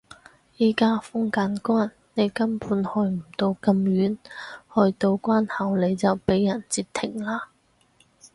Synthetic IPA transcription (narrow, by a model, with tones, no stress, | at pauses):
jiː˨˩kaː˥fʊ˥ŋkaː˨˥nkwaː˥nːe˨˧jkɐ˥mpʰuː˨˥nhɔː˧jm̩˨˩t̪o˧wkɐ˧mjyː˨˥nhɔː˧jt̪o˧wkʷaː˥nhɐ˨˩wle˨˧jt͡sɐ˨wpe˨˥jːɐ˨˩nt͡siː˧p̚t̪ʰɪ˨˩ŋlaː˧